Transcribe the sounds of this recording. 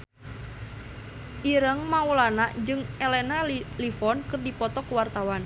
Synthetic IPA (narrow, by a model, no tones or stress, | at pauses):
ʔiɾəŋmaulanaʔd͡ʒɨŋelɛnalifɔnkɨrdipɔt̪ɔkuwart̪awan